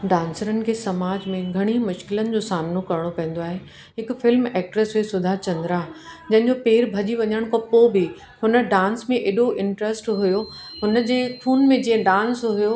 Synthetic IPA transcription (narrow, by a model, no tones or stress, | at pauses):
ɖãːnsəɾənɪ̆kʰeːsɐmaːd͡ʑmẽɡʱɐɽ̃imʊʃkɪlənɪ̆d͡ʑoːsaːmnokɐɾəɽ̃opɐ̃ɦɪ̃n̆d̪oaːɦe | ɦɪkfɪlmɛːk̚ʈɾəsʋesʊd̪ʱaːt͡ɕɐ̃nd̪ɾad͡ʑɐ̃ɦɪ̃ɲd͡ʑopeːɾbʱɐʄiʋɐɲəɽ̃kɐpobi | hʊnə̆ɖãːnsmẽʔeːɗoʔɪ̃ɳʈɾəsʈɦʊjo | ɦʊnəd͡ʑeːpʰuːnmẽd͡ʑĩːə̃ɖãːnsɦʊjo